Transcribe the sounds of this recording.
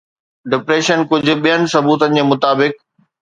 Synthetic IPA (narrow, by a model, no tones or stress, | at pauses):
ɖɪpɾeːʃənkʊd͡ʑʱʊ̆ɓijənɪ̆sɐbuːt̪ənɪ̆d͡ʑeːmʊt̪aːbɪk̚